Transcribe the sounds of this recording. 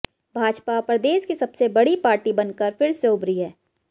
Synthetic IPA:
bʱaːd͡ʒpapɾəd̪eːʃkisɐbsebɐɽipaːɾʈibɐnkəɾfɪɾseʊbɾiɦɛː

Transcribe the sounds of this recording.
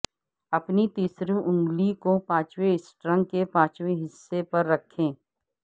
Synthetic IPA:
ɐpnit̪iːsɾũʔʊ̃ŋɡlikopãːt͡ʃweɪsʈɾə̃ŋkepãːt͡ʃweɦɪsːepɐɾːɐkʰːẽː

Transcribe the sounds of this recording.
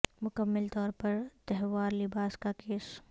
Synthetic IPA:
mʊkəmːəlt̪ɔːɾpɐɾt̪ɛɦʋaːɾlɪbaːskakeːs

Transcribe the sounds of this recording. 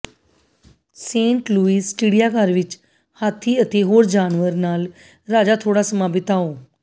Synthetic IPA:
sẽːɳʈluːiːsʈiːɽijaːkaɾʋɪt͡ʃ | haːt̪ʰiːət̪eːɦoːɾd͡ʒaːnʋəɾnaːl | ɾaːd͡ʒaːt̪ʰoːɽaːsəmaːbɪt̪aːoː

